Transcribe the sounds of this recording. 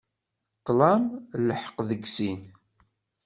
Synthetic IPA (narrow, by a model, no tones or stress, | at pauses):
qːlæmləħə̥qðəɡsin